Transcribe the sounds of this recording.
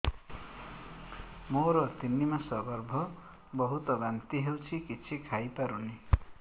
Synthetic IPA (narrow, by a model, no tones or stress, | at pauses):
moɾʌt̪inːimasʌbʌrbʱʌ | bʌɦut̪ʌbant̪iɦewt͡sʰikit͡sʰikʰajpaɾuni